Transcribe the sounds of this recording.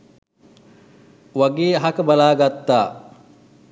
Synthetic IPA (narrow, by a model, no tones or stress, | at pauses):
ʋaɡeːaɦakəbalaːɡat̪ːaː